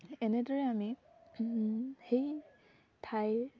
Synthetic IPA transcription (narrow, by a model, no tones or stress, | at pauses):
ɛnɛdɔɹɛami | hej | tʰaj